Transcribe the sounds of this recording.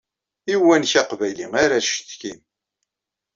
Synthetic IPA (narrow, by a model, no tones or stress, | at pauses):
iwːænçaqvæjliŋaɾaʃt̪kin